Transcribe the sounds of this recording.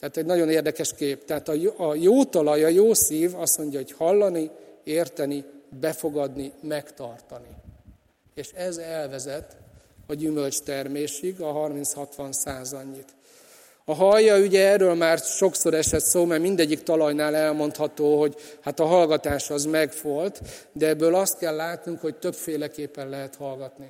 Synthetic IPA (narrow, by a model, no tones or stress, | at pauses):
t̪ɛat̪ɛɟnɒɟo̞neːrd̪ɛkɛʃkeːpt̪ɛɦaːt̪ɒjjoːt̪ɒlɒjɒjoːsiːvɒsmo̞ɲɟɒɦo̞chɒlːɒnieːrt̪ɛnibɛfo̞ɡɒd̪nimɛkt̪ɒrt̪ɒni | eːʃɛzɛlvɛzɛt̪ | ɒɟymølt͡ʃt̪ɛrmeːʃiɡɒɦɒrmint̪shɒt̪ʋɒnsaːzɒɲːit̪ | ɒɦɒjːɒyɟɛɛrːøːlmaːrʃo̞kso̞ɾɛʃɛt̪soːmɛrmind̪ɛɟːikt̪ɒlɒjnaːlɛlmo̞n̪t̪hɒt̪oːɦo̞ɟhat̪ɒɦɒlɡɒt̪aːʃɒzmɛɡfo̞lt̪d̪ɛɛbːøːlɒst̪̚kɛlːaːt̪nuŋkho̞ct̪ø̞pfeːlɛkeːpːɛnlɛɦɛt̪hɒlɡɒt̪ni